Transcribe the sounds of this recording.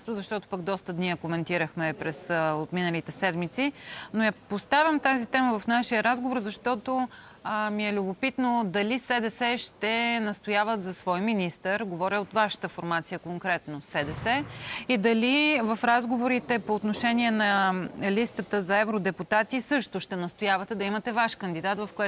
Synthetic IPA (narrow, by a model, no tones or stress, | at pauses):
t̪ʊzɐʃt̪ɔt̪ʊ̥pəɡd̪ɔst̪əd̪niəkomɛnt̪iɾəxmɛpɾɛsot̪minəlit̪ɛsɛd̪mit̪sinojapost̪avʲɐmt̪azit̪ɛməvɐfnaʃiəɾazɡovoɾzɐʃt̪ɔt̪o | miɛlʲʊbopit̪nod̪ɐlisɛd̪ɛsɛʃt̪ɛnɐst̪ojavət̪zɐsvɔjminist̪əɾɡovɔɾjəot̪vaʃə̥t̪əfoɾmat̪sijəkoŋkɾɛt̪nosɛd̪ɛsɛid̪ɐlivɐfɾazɡovoɾit̪ɛpoːt̪noʃɛniɛnɐlist̪ət̪əzɐɛvɾod̪ɛput̪at̪isɤʃt̪ʊʃt̪ɛnɐst̪ojavɐt̪ɛd̪ɐimɐt̪ɛvaʃkənd̪id̪at̪vɐfkoɛ